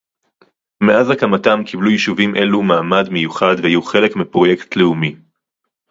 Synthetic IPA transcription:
meʔazakamatamkʰiblujiʃuvimʔe̞lumaːmad̪mejuχad̪veajuχe̞le̞kmipʁo̞je̞ktʰleumi

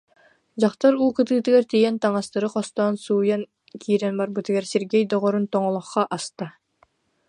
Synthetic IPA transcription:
d͡ʑɑqt̪aɾulˠkɯt̪ɯːt̪ɯɡɛɾt̪ijɛnt̪ɑŋɑst̪ɯɾɯqɔst̪aːnsuːjɑn | kʰiːɾɛnbɑɾbɯt̪iɡɛɾseɾɡʲɛjd̪ɔʁɔɾunt̪ɔɴɔlˠɔχqːɑʔɑst̪ɑ

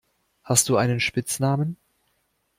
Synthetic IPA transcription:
hast̚d̥uːʔaɪnənʃpɪt͡snaːmən

